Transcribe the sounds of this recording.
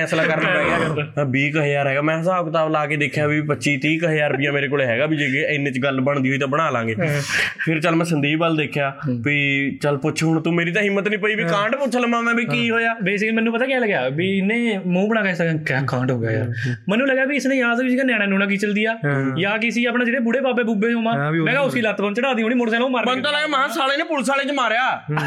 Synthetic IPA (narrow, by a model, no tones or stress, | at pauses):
ɛːslaːkəɾnaːpɛːɡabiːkəɦeːaːɾɦɛːɡaːmɛ̃ːsaːbkət̪aːblaːkeːd̪eːkʰːjaːbiːpətːʃiːt̪iːkəɦeːaːɾpɪjãːmeːɾeːkoːleːɦɛːɡaːbiːd͡ʒeːɪnːẽːt͡ʃɡəlbəɳd̪iːɦoːiːt̪ãːbəɽ̃aːlãːŋɡeːpʰɪɾt͡ʃəlmɛ̃ːsənd̪iiːbəld̪eːkʰːjaːbiːt͡ʃəlpʊːʃʰɦʊɳt̪ũːmeːɾiːt̪ãːɦɪmːət̪nĩːpəiːbiːkãːɳʈpʊt͡ʃʰləmãːmɛ̃ːbiːkiːɦoːjaːbeːsɪkəliːmɛ̃ːnːũːp̬ət̪aːkɛːləɡjaːbiɪnẽːmũːbəɽ̃ãːkɛːskẽːkaːkãːɳɖɦoːɡa̰ːja̰ːmɛ̃ːnːũːləɡjaːbiːɪsnẽːjaːzisikanjãːɽ̃ãːnũːnãːk̬iːt͡ʃəld̪iːjaːjaːk̬ɪsiːaːpnãːd͡ʒeːɽeːbʊɽeːbaːbeːbuːbeːoːmãːmɛ̃ːɡaːʊsiːlət̪bə̃nt͡ʃəɽaːd̪iːõːɳ̃iːmoːɽsɛːlãːmaɾmənt̪aːləɡaːmãːsaːleːneːpʊlsaːlẽːt͡ʃəmaːɾejaː